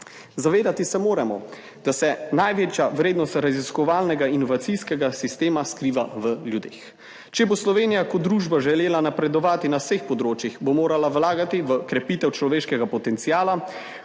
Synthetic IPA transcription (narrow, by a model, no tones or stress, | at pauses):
zaʋeːd̪at̪isɛmoːɾɛmɔ | d̪̥asɛnajʋeːt͡ʃjaʋɾeːd̪nɔst̪ɾaziskɔʋaːlnɛɡainɔʋat̪sijskɛɡasist̪eːmaskɾiːʋaʋəljud̪ḛːx | t͡ʃɛboslɔʋeːnijakɔd̪ɾuːʒbaʒɛleːlanapɾɛd̪ɔʋaːt̪inawsexpɔd̪ɾoːt͡ʃjixbomoːɾalawlaːɡat̪iʋəkɾɛpiːt̪ɛwt͡ʃlɔʋeːʃkɛɡapɔt̪ɛnt̪sijaːla